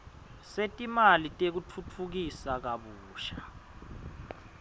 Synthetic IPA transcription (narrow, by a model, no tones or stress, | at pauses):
setʼimalitʼek̬ut͡fʰut͡fʰuk̬isak̬aɓuːʃa